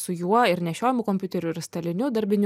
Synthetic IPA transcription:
sʊjuɔɪɾnʲɛʃʲoːjɪmʊkɔmʲpʲʊt̪ʲɛɾʲʊɪɾst̪ɐlʲɪnʲʊd̪ɐɾʲbʲɪnʲ

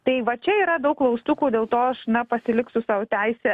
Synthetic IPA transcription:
t̪ɐɪʋɐt͡ʃʲɛiːɾɐd̪ɐʊkklˠɐʊst̪uːkuːd̪ʲeːlˠt̪oːɐʃnɐpɐsʲɪlʲɪksʊsɑːʋot̪ʲæɪsʲɛ

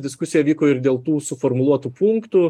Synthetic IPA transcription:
d̪ʲɪskʊsʲɪjɛʋʲiːkoːɪɾd̪ʲeːlˠt̪uːsʊfoɾmʊlˠuɔt̪uːpuŋkt̪u

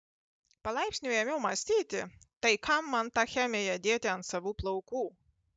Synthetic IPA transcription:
palˠajpʲsʲnʲijɛmʲilmasʲt̪ʲiːt̪ʲɪt̪ajkʰamːant̪axʲæmʲɛjad̪ʲiɛt̪ʲɪansavuplˠɔkuː

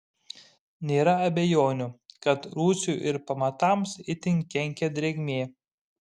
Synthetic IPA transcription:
nʲeːɾɐɐbʲɛjoːnʲʊkɐt̪ɾuːsʲuˑʔɪɾpɐmɐt̪ɑˑmsɪt̪ʲɪŋʲkʲːɛŋʲkʲɛd̪ʲɾʲɛɡʲmʲeː

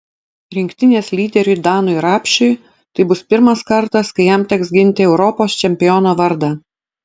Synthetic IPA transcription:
ɾʲɪŋʲkʲt̪ʲɪnʲeːslʲiːd̪ʲɛɾʲʊd̪ɑːnʊɪɾɑːpʲʃʲʊɪ | t̪ɐɪbʊspʲɪɾmɐskɐɾt̪ɐskɐɪjɛmt̪ʲɛksɡʲɪnʲt̪ʲɪɛʊɾɔpoːst͡ʃʲɛmʲpʲɪjɔnoːʋɐɾd̪ɐ

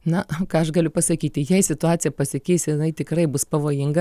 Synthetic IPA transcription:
nɐkɑːɐʃɡɐlʲʊpɐsɐkʲiːt̪ʲɪjɛɪsʲɪt̪ʊɑːt͡sʲɪjɛpɐsʲɪkʲɛɪsjɪnɐɪt̪ʲɪkrɐɪbʊspɐʋoːjɪŋɡɐ

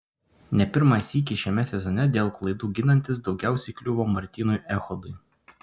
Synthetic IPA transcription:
nʲɛpʲɪɾmɑsʲiːk̬ʲɪʃʲɛmʲɛsʲɛzɔnʲɛd̪ʲeːlˠklˠɐɪd̪uːɡʲɪnɐnʲt̪ʲɪs̬d̪ɒʊɡʲæˑʊsʲɛɪklʲʊʋoːmɐɾʲt̪ʲiːnʊjʔɛxɔd̪ʊɪ

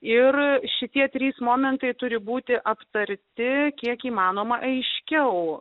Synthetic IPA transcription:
ɪrʃʲɪt̪ʲiɛt̪ʲɾʲiːsmoːmʲɛnt̪ɐɪt̪ʊɾʲɪbuːt̪ʲɪʔɐpt̪ɐɾʲt̪ʲɪkʲiɛkiːmɑːnoːmɐʔɐɪʃʲkʲɛʊ

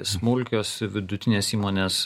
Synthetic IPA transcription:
smʊlʲkʲoːsʋʲɪd̪ʊt̪ʲɪnʲeːsiːmoːnʲeːs

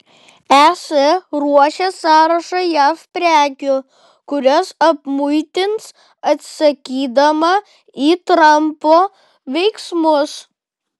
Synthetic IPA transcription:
æːsʲɛɾuɔʃʲɛsɑːɾɐʃɐjæːfpʲɾʲæːkʲʊ | kʊɾʲɔsɐpmʊɪt̪ʲɪns | ɐt̪sɐkʲiːd̪ɐmɐ | iːt̪ɾɐmpoː | ʋʲɛɪksmʊs

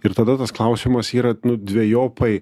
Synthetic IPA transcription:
ɪɾt̪ɐd̪ɐt̪ɐsklˠɐʊsʲiːmɐsiːɾɐnʊd̪ʲʋʲeɛjoːpɐɪ

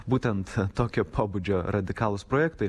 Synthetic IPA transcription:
buːt̪ʲɛnt̪t̪oːkʲoːpʰoːbud͡ʒʲoːɾɐd̪ʲɪkɑːlˠʊspɾoːjɛkt̪oɪ

